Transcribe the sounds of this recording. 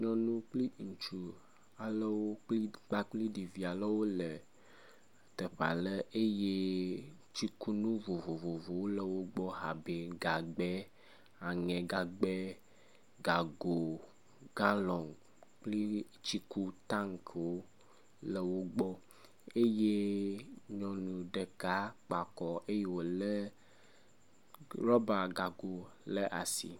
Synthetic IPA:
ɲɔ̃˦nũ˦k͡pli˦ŋu˨t͡ʃu˨ | a˨lə˦wo˦k͡pli˦k͡pa˦k͡pli˦di˨vi˨a˨lə˦wo˦lə˨ | t̪ə˨ɸa̰˨lə˦e˦je˦ | t͡ɕi˦ku˦nũ˦vo˨vo˨vo˨vo˨wo˦lə˨wo˦ɡ͡bɔ˦ɦa˨be˨ɡa˨ɡ͡be˦ | a˨ŋɛ̃˨ɡa˨ɡ͡be˦ | ɡa˨ɡo˨ | ɡã˦lɔ̃˨ŋ | k͡pli˦ | t͡ʃi˦ku˦t̪ã˦ŋkwo˦ | le˨wo˦ɡ͡bɔ˦ | e˦je˦ | ɲɔ̃˨nũ˨ɖe˨ka˦k͡pa˨kɔ˨e˦je˦wo˨le˦ | ɾɔ˦ba˨ɡa˨ɡo˨le˦ʔa˨sḭ˨

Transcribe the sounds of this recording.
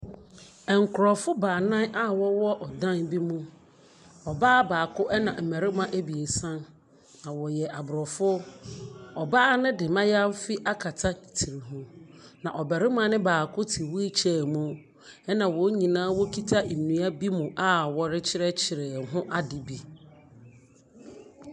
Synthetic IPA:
ɛ˨ŋ̩˨kʰʊ˨ɾɔ˨fʊ˦baː˨nã˦na˦wɔ˦wɔ˦ʔɔ˨dã˦nbi˦mũ˦ | ɔ˨baː˦baː˨kʰʊ˦ʔɛ˦nã˨m̩˨mɛ˨ɾɪ˦mã˦ʔæ˦bi˨e˨sã˦n | nã˨wɔ˨jɛ˨ʔa˨bʊ˨ɾɔ˨fʊ˦ | ɔ˨baː˦nɪ̃˦dɪ˨mã˦ja˦m̩˦fi˦ʔa˦kʰa˨tʰa˦ni˨tʰi˨ɾi˨ɦũ˨nã˨ʔɔ˨bɛ˨ɾɪ˦m˦ã˨˦nɪ̃˦baː˨kʰʊ˦tʰi˨wu˦e˦t͡ɕʰɛ˨mũ˦ | ɛ˦nã˨wɔ˨˦ɲĩ˨nãː˦wɔ˦kʰi˦tʰa˦ʔi˨m˨nũ˨a˦bi˦mũ˨ʔa˦wɔ˦ɾɪ˦t͡ɕʰɪ˦ɾɛ˦t͡ɕʰɪ˨ɾɛ˨ɦʊ̃˦ʔa˦dɪ˨bi˦

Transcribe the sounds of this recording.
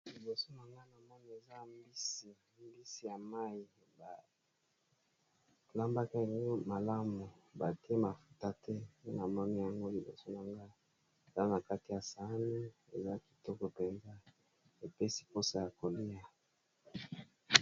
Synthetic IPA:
li˨bo˨so˦na˨ŋɡa˦na˨mɔ˦ni˦e˨za˦mbi˦si˨ | mbi˦si˦ja˨ma˦i˨ | ba˨ | la˦mba˦ka˦e˨ni˦ma˨la˦mu˨ba˨ti˦e˦ma˨fu˦ta˦tʰɛ˦ne˦na˨mɔ˦ni˦ja˨ŋɡo˦li˨bo̰˨so˦na˨ŋɡa˦ | e˨za˦na˨ka˦ti˨ja˨sa˨˦ni˦ | e˨za˦ki̥˨tɔ˦kɔ˨pe˨nza˦ | e˨pe˦si̥˦po˦sa˨ja˨ko˨li˦ja˨

